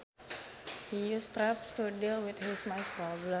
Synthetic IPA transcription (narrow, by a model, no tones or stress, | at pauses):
hijustɾapstudilwɪt̪hismaɪspɾɔblə̃